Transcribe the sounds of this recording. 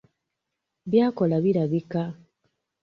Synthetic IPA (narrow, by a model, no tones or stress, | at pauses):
βjaːkolaβiɾaβika